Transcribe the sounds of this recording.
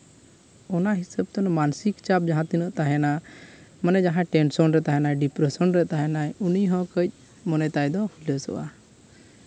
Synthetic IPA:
ɔnaɦisəb̚t̪ɔnmansikt͡ʃab̚d͡ʒaɦãt̪inəʔt̪aɦɛnamanɛd͡ʒaɦãʈɛnsɔnɾɛt̪aɦɛnajɖipɾɛsɔnɾɛʔt̪aɦɛnajuniɦɔ̃kəc̚ˀ | mɔnɛt̪ajd̪ɔhuləsɔ̰ʔa

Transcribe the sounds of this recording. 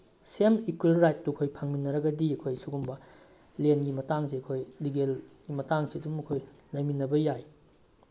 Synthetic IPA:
semikwelɾajt̚ːukʰojpʰaŋminːɐɾɐɡɐdiɐkʰojsuɡumbɐ | lenɡimɐtaŋs̬iɐkʰojliɡelɡimɐtaŋsiɐdumɐkʰojlɐjminɐbɐjaj

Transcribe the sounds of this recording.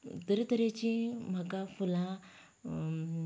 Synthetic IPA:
t̪əɾt̪əɾet͡ɕĩm̤akafulã

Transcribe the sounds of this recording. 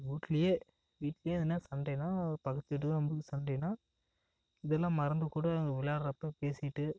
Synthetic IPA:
ʋiːʈːɪlɐjeː | ʋiːʈːlɐjeːðɯnːaːsɐɳɖɛnaːpɐɣɐt̪ːɪʈ̬ːɯðãɐmbɯkːɯsɐnɖɛnaː | ɪðɛlːãːmɐɾɐnd̪ɯkuːɽɐɐŋɡɐʋɪlaːɾɐɾɐpːɐ̃peːsɪʈːɯ

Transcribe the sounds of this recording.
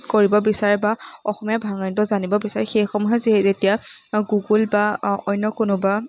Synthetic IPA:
koɹibɔbisaɹɛbaɔxɔmijabʱaŋantɔzanibɔbisaɹɛxejxɔmɔɦɛziɦɛzetijaɡuɡulbaɔjnːɔkʊnʊba

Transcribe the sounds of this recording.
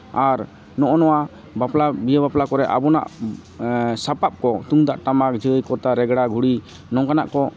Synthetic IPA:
aɾ | nɔʔɔnɔwa | baplabijabaplakɔɾɛʔa̰bɔna̰ʔ | sapap̚kɔt̪uŋd̪aʔʈamak̚d͡ʒəjkɔɾt̪aɾɛɡɽaɡʱuɽi | nɔŋkana̰ʔkɔ

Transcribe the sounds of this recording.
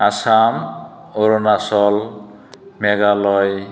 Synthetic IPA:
asam | oɾonasɔl | meɡalɔj

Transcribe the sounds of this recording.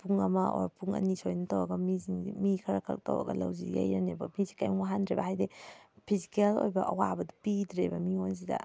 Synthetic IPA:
puŋɐmɐʔoɔ̰ɾpuŋɐ̰nisojnɐtɐwɐɡɐmiziŋimikʰɐɾakʰɐ̰l̚tɐ̰wɐ̰ɡɐlɐ̰wzija̰jɾɐnebɐmizi̥kajwaɦandɾebɐɦajdepʰizikelo̰jbɐʔɐwabɐdupidɾebɐmions̬idɐ̰

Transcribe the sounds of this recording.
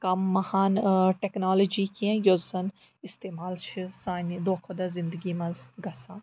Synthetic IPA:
kɐmːɐhaːnʈeknaːlod͡ʒiːkiẽjozsɐn | ɪst̪eːmaːlt͡ʃʰɨsaːnid̪oːkʰod̪ɐzɪ̃nd̪əɡiːmɐ̃zɡɐsaː

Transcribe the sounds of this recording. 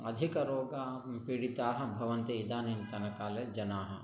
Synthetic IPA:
ɐd̪ʱikɐɾoːɡapiɽit̪aːɦɐ̆bʱɐʋɐnt̪iid̪aːnint̪ɐnɐkaːleːd͡ʒɐnaːɦɐ̆

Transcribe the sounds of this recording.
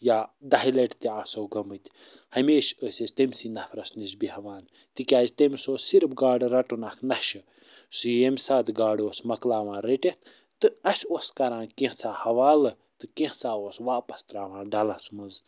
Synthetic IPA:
jaːd̪aɦilɐʈt̪iaːsoːɡɐmɨt̪ʲʰ | hɐmʲeːʃəsʲezʲt̪emʲsinɐpʰɾɐsnisbihɐʋaːn | t̪ikʲaːzt̪emʲsoːsiɾpɡaːɖɾɐʈunakʰnɐʃɨ | sɨjemʲsaːt̪ɡaːɖoːsmɐklaːʋãːnɾeʈet̪ʰ | t̪ɨɐsoːskɐɾãːnkẽht͡sʰaːhɐʋaːlɨ | t̪ɨkẽht͡saːoːsʋaːpɐ̥st̪ɾaːʋãːnɖɐlɐsmɐz

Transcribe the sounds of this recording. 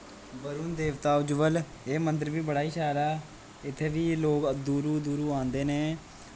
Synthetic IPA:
bəɾuːnd̪eːʋt̪aːʊd͡ʒʊʋəl | eːmənd̪əɾʋiːbəɽaːiːʃaːɾaː | ɪt̪ʰːeːʋiːloːkd̪uːɾuːd̪uːɾuːãːnd̪eːneː

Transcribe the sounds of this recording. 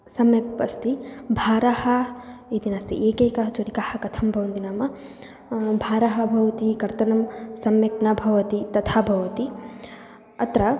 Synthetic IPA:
sɐmjɐkpɐst̪ibʱaːɾahɐit̪inaːst̪iʔeːkeːkɐɦɐt͡ʃoɾikahɐkɐt̪ʰɐmbʱɐʋɐnt̪inaːmɐ | bʱaːɾaɦɐbʱɐʋɐt̪ikɐɾt̪ɐnɐmsɐmjɐknɐbʱɐʋɐt̪it̪ɐt̪ʰaːbʱɐʋɐt̪i | ɐt̪ɾɐ

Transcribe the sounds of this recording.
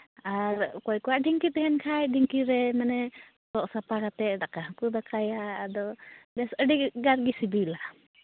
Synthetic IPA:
aɾkɔjkɔwaʔɖiŋkit̪ɛɦɛnkʰajɖiŋkiɾɛmanɛ | t̪ɔʔsapakat̪ɛʔdakaɦkud̪akʰajaːd̪ɔbɛsəɖikɡaɾ̚ɡisibilaʔ

